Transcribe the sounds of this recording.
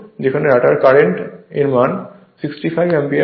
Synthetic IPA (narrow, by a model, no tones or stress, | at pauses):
d͡ʑekʰaneɾaʈaɾkaɾeɳʈeɾman | siksʈifʰajbɛmbi